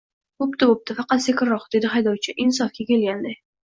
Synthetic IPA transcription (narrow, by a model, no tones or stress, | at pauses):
b̥opt̪ɪbop̚t̪ɪfɑqɑt̪sekʲɪɾːɒqd̪e̞d̪ɪɦajd̪ɒwt͡ʃʰɪʔɪns̬ɒfkʲakʲe̞lɡʲand̪aj